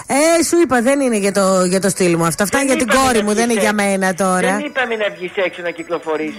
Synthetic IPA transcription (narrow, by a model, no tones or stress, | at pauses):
esuipɐðenineʝɐt̪oʝɐt̪o̞st̪ilmuɐft̪oɐft̪ɐʝɐt̪iɡo̞ɾimuðeniʝɐme̞nɐt̪o̞ɾɐipɐminɐvʝiseksonɐciklo̞fo̞ɾis